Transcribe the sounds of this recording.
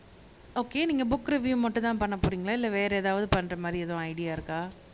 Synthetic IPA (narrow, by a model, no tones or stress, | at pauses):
oːkeːniːŋɡɐbʊkːɾɯʋjumɐʈːɯ̃t̪ãːpɐɳːɐpːoːɾiːŋɡɐɭaːɪlːɛʋeːɾɐɛːðaːʋɐðɯpɐɳːɾɐmaːd̪ɾiɛðõɐɪɽɪjaːɪɾɯkːaː